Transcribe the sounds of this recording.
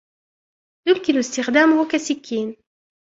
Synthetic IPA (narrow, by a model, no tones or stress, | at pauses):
d̪̥ulkʲilost̪iʁd̪amʁokasikʲʰin